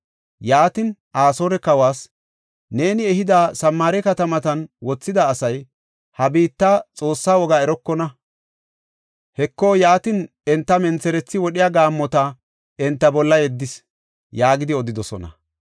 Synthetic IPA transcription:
jaːt̪ɪnʔaːso̞ːɾɛkɐwaːs | ne̞ːnɪɛhɪd̪aːsɐmːaːɾɛkɐt̪ɐmɐt̪ɐnwɔt͡sːɪd̪ɐːsɐj | hɐbiːt̪ːat͡sʼo̞ːsːaːwɔɡaɛɾɔkːɔnɐ | hɛkːojaːt̪ɪn | ɛnt̪ːɐmɛnt͡sɛɾɛt͡sːɪwɔɗɪjaːɡaːmːɔt̪ɐ | ɛnt̪ːɐbɔlːɐjɛd̪ːɪs | jaːɡɪd̪ɪɔd̪ɪd̪ɔsɔ̰nɐ̰

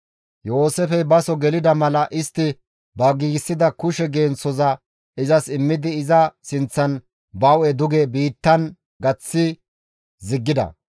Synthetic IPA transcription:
jo̞ːsefɛbɐsɔɡɛlɪd̪ɐmɐlɐʔɪst̪ːɪ | bɐɡiːɡsːɪd̪ɐkʊʃɛɡeːnt͡sɔzɐ | ɪzɐsɪmːɪd̪ɪːzɐsɪnt͡sːɐn | bɐwɛd̪ʊɡɛbiːt̪ːɐn | ɡɐt͡sːɪ | zɪɡːɪd̪ɐ̰

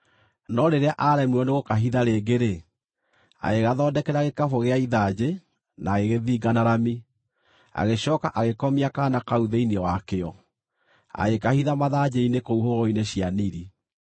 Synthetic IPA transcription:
nɔɾeɾeaʔaɾɛmuɔneɣokaɦiðaɾeːɡeɾe | a̰ɣeɣaðɔːdɛkɛɾaɣekafoɣeaiðad͡ʑe | naɣeɣeðiːɡanaɾami | a̰ɣeɕɔːkaʔaɣekɔmiakaːnakauðeineɔwakeɔ | a̰ɣekahiðamaðad͡ʑeinekouɦoɣɔineɕjaniɾi

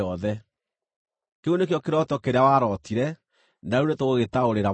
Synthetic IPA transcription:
ɔðɛ | keunek̬jɔkeɾɔtɔkeɾeawaɾɔtiɾɛ | naunetoɣoɣetaoɾeɾa

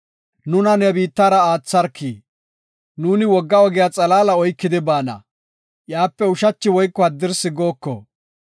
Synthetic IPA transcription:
nʊnɐnɛbiːt̪ːaːɾɐaːt͡sːɐɾkʰːiː | nuːnɪwɔɡːɐɔɡɛjaːt͡sʼɐlaːlɐɔjkːɪd̪ɪbaːnɐ̰ | jaːpːɛʊʃɐt͡ʃːɪwɔjkːɔɐd̪ːɪɾsɪɡo̞ːkːɔ̰

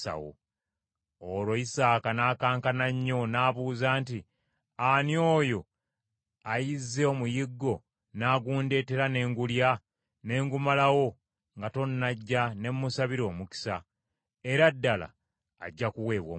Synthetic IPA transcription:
a̰wo̰ | olwo̞isaːkanaːkaːŋkanaɲːo̞naːβuːzaːnti | anjo̞ːjo̞ | ajizːe̞o̞mujiɡːo̞ | naːɡuːnde̞ːte̞ɾane̞ːŋɡulja | ne̞ːŋɡumalawo̞ | ŋɡato̞nːaɟːane̞mːusaβiɾo̞ːmuki̥sa | e̞ɾadːala̰ː | ɟːakuwe̞ːβwo̰

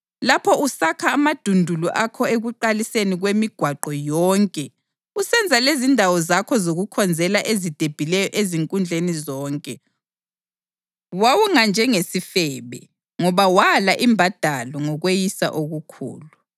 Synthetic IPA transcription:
lapʰɔusakʰaːmad̥ʱundʱuluʔakʰɔeɣuǃaliseniɣwemiɡ̥ʱwaǃɔjɔŋkʼɛ | usɛnd͡zʱalezindʱawɔzakʰɔzoɣukʰɔnd͡zʱɛlaʔezid̥ʱeb̥ʱilɛjɔʔeziŋkʼund͡ɮʱenizɔːŋkʼɛ | wawuŋand͡ʒʱɛŋesifɛːβɛ̰ | ŋɔβawalaʔimbʱad̥ʱalɔŋɔɣwejisa̰ʔoɣukʰṵːlu

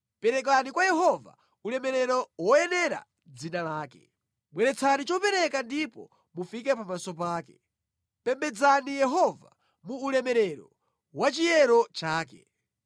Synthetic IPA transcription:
pɛɾɛk̬anikwajɛɦɔva̰ | ulɛmɛɾɛɾɔwɔjɛnɛɾa̰ | d͡zinalaːkɛ̥̰ | mwɛɾɛt͡sʰanit͡ʃɔpɛɾɛkandipɔ̰ | mufikɛpamasɔp̬aːkɛ | pɛmbɛd͡zanijɛɦɔva̰ | muːlɛmɛɾɛɾɔ̰ | wat͡ʃijɛɾɔt͡ʃaːkɛ̰

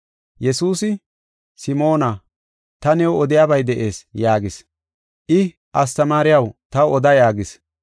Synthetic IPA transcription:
jɛsuːsɪ | sɪmo̞ːnɐ | t̪ɐnɛwɔd̪ɪjaːbɐjd̪ɛʔe̞ːsjaːɡɪs | ʔɪ | ʔɐst̪ɐmaːɾɪjɐwt̪ɐwɔd̪ɐjaːɡɪs

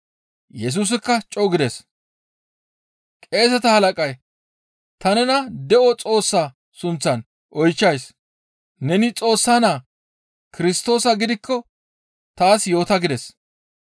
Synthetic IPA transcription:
jɛs̬uːs̬ɪkːɐt͡ʃʼɔwɡɪd̪ɛs | kʼe̞ːs̬ɛt̪ɐhɐlɐkʼɐj | t̪ɐnɛnɐd̪ɛʔɔt͡sʼo̞ːsːaː | sʊnt͡sːɐn | ʔɔjt͡ʃːɐjs | nɛnɪt͡sʼo̞ːsːaːnaː | kɪɾɪst̪o̞ːsɐɡɪd̪ɪkːɔ | t̪aːsjo̞ːt̪ɐɡɪd̪ɛs

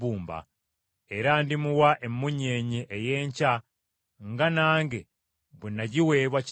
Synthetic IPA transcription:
uːmba̰ | eɾandimuwaʔemːuɲe̞ːɲiʔejeːɲca | ŋɡanaːŋɡe | βunaɟiwe̞ːβwaci

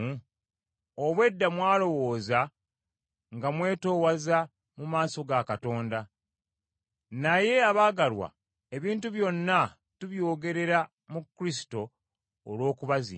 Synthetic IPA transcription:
oβwe̞dːamwaːlo̞wo̞ːza | ŋɡamwe̞ːto̞ːwaza | mumaːso̞ɡakato̞ːnda | naje̞aβaːɡalwa̰ | e̞βiːntuβjo̞nːa | tuβjo̞ːɡe̞ɾe̞ɾa | mukːɾis̬i̥to̞ː | lwo̞ːkuβazḭ

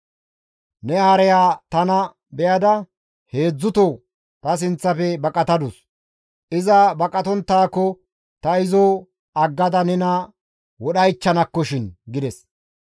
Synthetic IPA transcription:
nɛhɐɾɛjaːt̪ɐnɐ | bɛjɐd̪ɐ | he̞ːd͡zːʊt̪o | t̪ɐs̬ɪnt͡sːɐpɛbɐkʼɐt̪ɐd̪ʊs | ʔɪzɐbɐkʼɐt̪ɔnt̪ːaːkːɔ | t̪ɐɪzɔ | ɐɡːɐd̪ɐnɛnɐ | wɔɗɐjt͡ʃːɐnɐkːɔʃɪnɡɪd̪ɛs

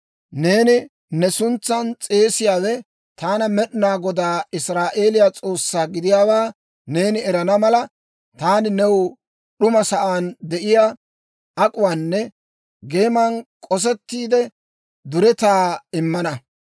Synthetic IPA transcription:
ne̞ːnɪ | nɛsʊnt͡sːɐnt͡sʼe̞ːsɪjaːwɛ | t̪aːnɐmɛɗnaːɡɔd̪aːɪsɾaːʔe̞ːlɪjat͡sʼo̞ːsːaːɡɪd̪ɪjaːwaː | ne̞ːnɪɛɾɐnɐmɐlɐ | t̪aːnɪnɛw | ɗʊmɐsɐʔaːnd̪ɛʔɪja | ɐkʼʊwaːnːɛ | ɡe̞ːmɐnkʼɔs̬ɛt̪ːiːd̪ɛ | d̪ʊɾɛt̪aːɪmːɐnɐ

